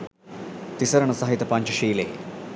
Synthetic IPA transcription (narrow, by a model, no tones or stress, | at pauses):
t̪isɐɾɐɳɐsɐɦit̪ɐpaːɲt͡ʃɐʃiːleː